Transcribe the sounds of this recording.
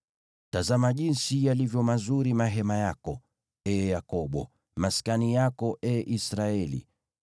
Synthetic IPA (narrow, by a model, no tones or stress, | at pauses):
tazamaʄinsijalivjɔmazuɾimaɦɛmajakɔ | ɛjakɔɓɔ̰ | maskanijakɔʔɛʔisɾaɛlḭ